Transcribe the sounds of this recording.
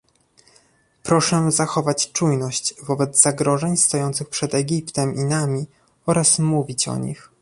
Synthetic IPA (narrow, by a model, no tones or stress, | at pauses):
pɾɔʂɛzaxɔvat͡ɕt͡ʂujnɔɕt͡ɕvɔbɛd̪zz̥aɡɾɔʐɛɲst̪ɔjɔnt̪sɘxpʂɛd̪ɛɡʲipt̪ɛmʔinamʲi | ɔɾasmuvʲit͡ɕɔ̰ɲḭx